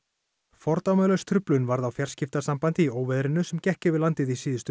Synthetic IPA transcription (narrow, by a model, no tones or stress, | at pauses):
fɔɾt̪awmœlœst̪ʰɾʏplʏnvaɾðawfjar̥scɪft̪asampant̪ɪioːwvɛðɾɪnːʏsɛmcɛhcɪvɪlant̪ɪðisiːðʏst̪ʏ